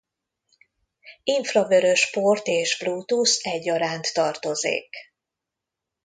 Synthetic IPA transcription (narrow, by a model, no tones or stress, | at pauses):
iɱfrɒvøɾøʃport̪eːʃbluːt̪usɛɟːɒɾaːnt̪ːɒrt̪o̞zḛːk